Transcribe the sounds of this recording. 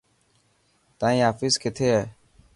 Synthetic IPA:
t̪ãːĩːaːfiːskʰet̪ʰeːɦeː

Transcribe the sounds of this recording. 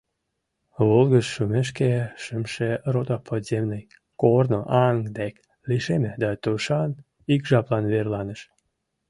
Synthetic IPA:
βolɣət͡ʃːumeʃ̬keʃəmʃerot̪ɑpʰod̪zemnəj | kornoʔɑŋd̪ek | liʃemed̪ɑt̪uʃɑn | ikʒɑplɑnβerlɑnəʃ

